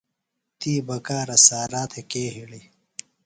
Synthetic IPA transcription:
t̪iːbɐkaːɾɐsaːɾaːt̪ʰekeːɦili

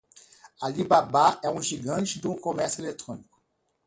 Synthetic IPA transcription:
alibabaɛũʒiɡɐ̃t͡ʃid̪ũkomɛʁselet̪ʁɔniku̥

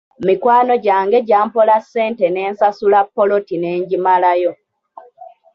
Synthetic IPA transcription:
mikwaːno̞ɟaːŋɡe̞ɟaːmpolasːe̞ːnte̞ne̞ːnsasulapːo̞lo̞tine̞ːɲɟimalajo̞

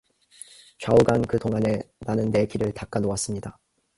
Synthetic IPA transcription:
t͡ɕauɡankɯtoŋɦane̞nanɯnːe̞kʰiɾɯɭtak͈anowas͈ɯmɲida

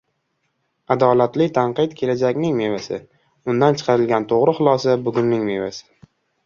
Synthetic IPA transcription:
ad̪ɒlat̪lɪt̪ʰaɴqɨt̪kʲʰe̞lad͡ʒakʲnɪŋme̞vasɪ̰ | ʊnd̪ant͡ʃʰɨ̥qʰɑɾɪlɡʲant̪ʰoʁɾɪχʊlˠɒsabʊɡʲʊnːɪŋme̞vasɪ̥

